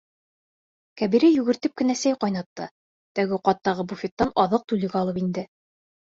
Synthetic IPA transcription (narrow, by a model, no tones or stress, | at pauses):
kæβiɾæjʉɡɘ̆ɾt̪ɘp̚kɘ̆næsæjqɑjnɑt̪ːɤ̰ | t̪æɡɘqɑt̪ːɑʁɤbufʲet̪ːɑnɑðɤq̚t̪ulɘ̆ɡæɑlˠɤpind̪ɘ